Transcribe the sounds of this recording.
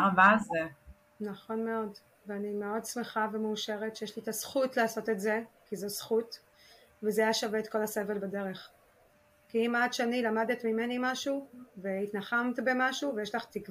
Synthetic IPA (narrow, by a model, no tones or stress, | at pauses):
vaze | naχo̞nme̞o̞d | veanime̞o̞dsmeχavemeuʃe̞ʁetʃejeʃlit̪asχutlaːso̞tetze̞kizosχut | vezeajaʃaveːt̪ko̞lase̞velbade̞ʁe̞χ | kiimadʃeanilamadet̪mime̞nimaʃuveitnaχamt̪be̞maʃuvejeʃlaχt̪ikv